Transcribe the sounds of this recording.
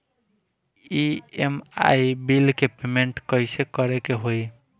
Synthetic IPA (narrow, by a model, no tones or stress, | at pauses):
iema̰jbilkepemeɳʈkəjsekəɾekeɦoj